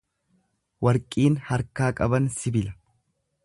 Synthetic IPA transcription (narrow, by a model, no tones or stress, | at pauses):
wɐɾkʼiːnhɐɾkaːkʼɐbɐnsɪbɪlɐ